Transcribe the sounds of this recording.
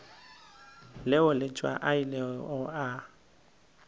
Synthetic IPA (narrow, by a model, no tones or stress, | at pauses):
lɪʊlɪt͡ʃʼwa̰ʔailɛʊa